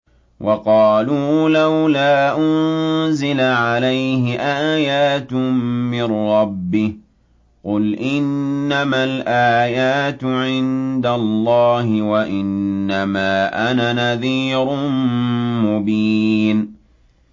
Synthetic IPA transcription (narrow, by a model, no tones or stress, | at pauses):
wʔɑqɑːluːlawlaːʔʊnzɪlaʕalajhɪʔaːjaːt̪mɪrːɑbːɪh | qʊlʔɪnːamalʔaːjaːt̪ʕɪnd̪allːɑːhɪwaʔɪnːamaːʔananaðiːɾ | mʊbiːn